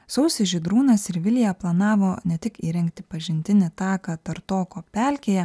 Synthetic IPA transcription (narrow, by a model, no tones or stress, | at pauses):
sɐʊsʲɪʒʲɪd̪ɾuːnɐsɪɾʋʲɪlʲjɛplˠɐnɑːʋoːnʲɛt̪ʲɪkiːɾʲɛŋʲkt̪ʲɪ̥pɐʒʲɪnʲt̪ʲɪnʲɪt̪ɑːkɐt̪ɐɾt̪oːkoːpʲæːlʲkʲeːjɛ